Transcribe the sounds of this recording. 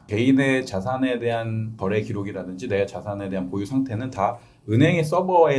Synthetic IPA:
ke̞ine̞t͡ɕasʰane̞de̞ɦankʌɾe̞kiɾoɡiɾadɯnd͡ʑine̞t͡ɕasʰane̞deɦanpojusʰaŋtʰe̞nɯnta | ɯnɦe̞ŋe̞s͈ʌbʌe

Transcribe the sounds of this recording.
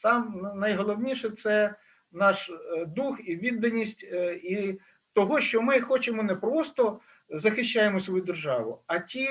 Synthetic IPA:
sɑmnɐjɦɔlˠɔwnʲiʃɛt̪sɛ | nɑʃd̪uxiʋʲid̪ːɐnʲːisʲtʲi | t̪ɔɦɔʃt͡ʃɔmɪxɔt͡ʃemɔnɛpɾɔst̪ɔ | zɐxɪʃt͡ʃːajemɔsʲʋɔjud̪erʒɑʋʊ̰ɐtʲi

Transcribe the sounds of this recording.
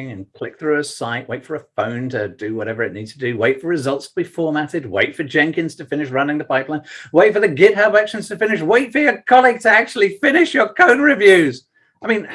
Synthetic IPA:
ŋɨ̃nkʰl̥ɪk̚θɹʉɨsaɪʔweɪtfə˞əfõʊ̃ntʰɨdɨwʌɾɛvə˞ɨʔⁿnid̥̚tʰɨdɨweɪtfə˞ɹɨzʌlˠtstʰəbifɔɹmæɾɨd̚wḛɪtfə˞d͡ʒɛ̃ŋkɨ̃nz̥tʰɨfɪ̃nɨʃɹʌnɪ̃ŋðəpʰaɪplãɪ̃nweɪtfə˞ðɨɡɪt̚ɦaʊbækʃɨ̃n̩z̥tʰɨfɪ̃nɨʃweɪtfə˞jə˞kʰɑlˠiɡ̚tʰɨæk̚t͡ʃʉl̩ˠifɪ̃nɪʃjə˞kʰõʊ̃nɹɨvjʉz̥ | aɪmĩn

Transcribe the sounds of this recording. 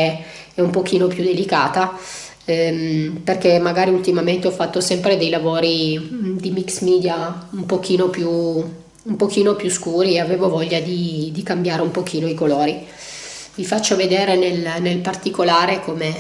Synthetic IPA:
ɛumpok̟iːnopjud̪ːelikaːt̪a | mperkemːaɡaːɾiult̪imament̪eɔfːat̪ːosɛmpɾed̪ejlavoːɾid̪imiksmiːd̪jaumpok̟iːnopju | umpok̟iːnopjuskuːɾieaveːvovɔʎːad̪id̪ikambjaːɾeumpok̟iːnoikoloːɾi | vifat͡ʃːoved̪eːɾenelnelpart̪ikolaːɾekome

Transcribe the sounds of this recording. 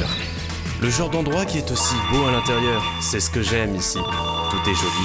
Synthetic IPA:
ləʒɑ̃ʁd̪ɑ̃d̪ʁwakʲiɛt̪osiboalɛ̃t̪eʁjœːʁ | sɛsə̥kəʒɛmisi | t̪ut̪ɛʒoli

